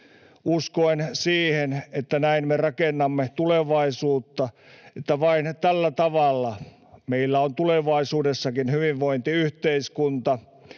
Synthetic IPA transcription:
uskoinsiːhenet̪ːænæinmerɑkenːɑmːet̪uleʋɑisuːt̪ːɑ | et̪ːæʋɑint̪ælːæt̪ɑʋɑlːɑ | meilːæont̪uleʋɑisuːdesːɑkinhyʋiʋʋoint̪iyht̪eiskunt̪ɑ

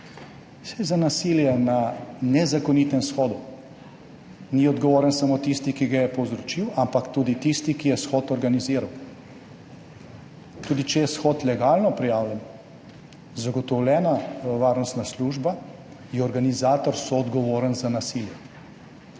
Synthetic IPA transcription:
sɛjzanasiːljɛnanɛzakɔnit̪ɛmsxɔːd̪u | niɔd̪ɡɔʋoːɾənsamot̪ist̪ikiɡajɛpɔwzɾɔt͡ʃiwampakt̪uːd̪it̪ist̪ikijɛsxɔːt̪ɔɾɡaniziːɾaw | t̪uːd̪it͡ʃɛjɛsxɔːt̪lɛɡaːlnɔpɾijaːwlʲjɛn | zaɡɔt̪ɔwlʲɛːnaʋaːɾnɔst̪nasluːʒba | jiɔɾɡanizaːt̪ɔɾsɔɔd̪ɡɔʋoːɾənzanasiljɛ

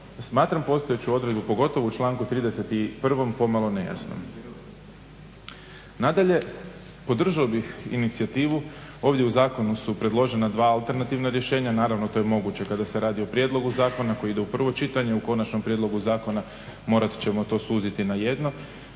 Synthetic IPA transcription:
smaːt̪ɾampo̞st̪o̞jet͡ɕuo̞d̪ɾed̪bupo̞ɡo̞t̪o̞ʋout͡ʃlˠaːŋkut̪ɾiːd̪ese̞t̪ipr̩ʋo̞mpo̞malˠo̞ne̞ja̰sno̰m | nad̪aʎe̞ | po̞d̪r̩ʒaobixḭnit̪sijat̪iːʋuo̞ːʋd̪jeuzaːko̞nusupɾe̞d̪lˠo̞ʒe̞nad̪ʋaːalˠt̪e̞ɾnat̪iʋnaɾje̞ʃe̞ːɲanaːɾaʋnot̪o̞jmo̞ɡut͡ɕe̞kad̪ase̞ɾaːd̪iopɾje̞d̪lˠo̞ɡuzaːko̞nako̞jid̪e̞upr̩ʋo̞t͡ʃit̪aɲe̞uko̞nat͡ʃno̞mpɾjed̪lˠo̞ɡuzaːko̞na | mo̞ːɾat̪t͡ɕe̞mo̞t̪o̞ːsuːzit̪inaje̞d̪no̞

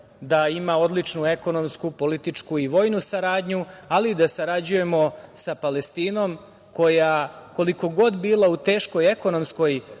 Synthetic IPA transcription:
d̪aimao̞d̪lit͡ʃnue̞ko̞no̞mskupo̞lit̪it͡ʂkuiʋo̞ːjnusaɾaːd̪ɲualid̪asaɾad͡ʑuje̞mo̞sapalest̪iːno̞m | ko̞jako̞liko̞ɡo̞d̪biːlˠaut̪e̞ːʃko̞jeko̞no̞msko̞j

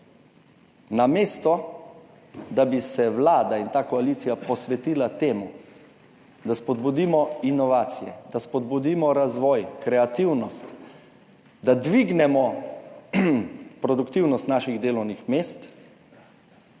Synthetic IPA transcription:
nameːst̪ɔ | d̪abisɛwlaːd̪aint̪aːkɔaliːt̪sijapɔsʋɛt̪iːlat̪eːmu | d̪aspɔd̪bud̪iːmɔinɔʋaːt̪sijɛ̰d̪aspɔd̪bud̪iːmɔɾazʋɔːjkɾɛat̪iwnɔst̪ | d̪ad̪ʋiɡnɛmɔ | pɾɔd̪ukt̪iwnɔst̪naːʃiɣd̪eːlɔwnixmeːst̪

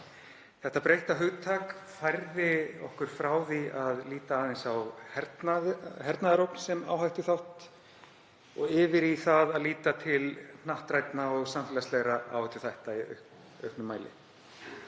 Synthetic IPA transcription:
θɛht̪ːapɾejht̪aɦʏɣt̪ʰaːkfajɾðɪɔhkʏɾ̥fɾaːwðiaðliːt̪aaːðɪnsawhɛɾt̪nahɛɾt̪naðɾowpnsɛma̰wɦajht̪ʏθawht̪ | ɔɣɪːvɪɾiθaðaðliːt̪at̪ʰɪln̥aht̪ɾajt̪naɔɣsamfɪlaslɛɣɾaa̰ːwhajt̪ʏ̥θajht̪aiœ̰ | œ̰hpnʏmːaːjlɪ̰

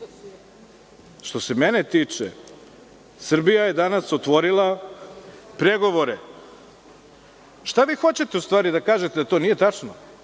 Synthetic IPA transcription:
ʃt̪o̞se̞menet̪iːt͡ʂḛ | sr̩bijaje̞d̪anasot̪ʋo̞ɾilˠa | pɾeɡo̞ʋo̞ɾe | ʃt̪aʋiːxo̞t͡ɕe̞t̪eust̪vʋaːɾid̪akaːʒet̪ed̪at̪o̞ːnije̞t̪at͡ʂno

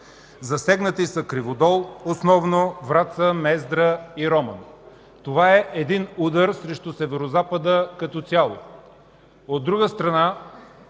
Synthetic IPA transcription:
zɐsɛɡnət̪isəkɾivod̪ɔlˠosnɔvnovɾat̪səmɛzd̪ɾəiɾɔmən | t̪ovaɛʔɛd̪inud̪əɾsɾɛʃt̪ʊsɛvɛɾozapəd̪əkɐt̪ɔt̪sʲjalˠo̰ | od̪ːɾuɡəst̪ɾɐna

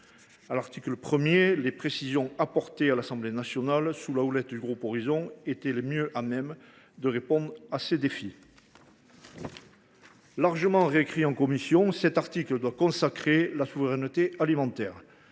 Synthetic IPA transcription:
alaʁt̪ikləpχəmjelepχesizjɔ̃apɔʁt̪ealasɑ̃blenasjɔnalsulaulɛt̪d̪yɡʁupɔʁizɔ̃et̪ɛlemjøʔamɛm | d̪əʁepɔ̃d̪ʁased̪efi | laʁʒəmɑ̃ʁeːkχiɑ̃kɔmisjɔ̃sɛt̪aʁt̪ikləd̪wakɔ̃sakχelasuvəʁɛnət̪ealimɑ̃t̪ɛːʁ

